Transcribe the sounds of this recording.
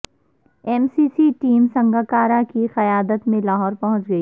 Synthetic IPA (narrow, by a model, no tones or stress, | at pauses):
ɛːmsiːsiʈiːmsɐ̃ŋɡakaːɾakixɐjaːd̪ət̪mẽlaːɦɔːɾpɐɦʊ̃t͡ʃɡɐiː